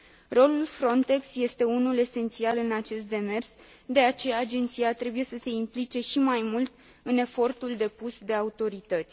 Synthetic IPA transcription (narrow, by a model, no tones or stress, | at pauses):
ro̞lulfɾo̞nt̪e̞ksje̞st̪e̞unule̞se̞nt̪sialɨnat͡ʃe̞st̪̚d̪e̞me̞rs | d̪e̞at͡ʃe̞jaːd͡ʒe̞nt̪sijat̪ɾe̞buje̞səse̞implit͡ʃe̞ʃimajmult̪ | ɨne̞fo̞rt̪uld̪e̞pusd̪e̞aut̪o̞ɾit̪ət̪sʲ